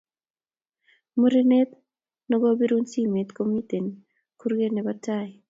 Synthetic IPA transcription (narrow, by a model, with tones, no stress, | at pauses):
mu˦ɾe˦ne˦t̪ | nɔ˦ɡɔ˦bi˦ɾu˦nsi˦me˨t̪komi˦t̪e˨n | ku˦ɾɡe˦ne˨ba˦taj